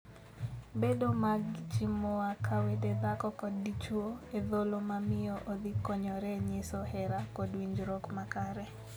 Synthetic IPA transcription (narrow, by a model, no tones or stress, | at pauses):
bedomaɡt͡ʃimoakʰaweded̪akɔkɔdːit͡ʃwoeðolomamɪɔʔod̪ikɔɲɔɾɛɲɪsɔhɛɾakɔdwiɲd͡ʒɾɔkmakaɾɛ